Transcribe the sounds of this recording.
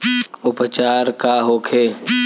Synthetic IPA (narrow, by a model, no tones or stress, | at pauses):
ʊpət͡ʃaːɾkaːɦoːkʰeː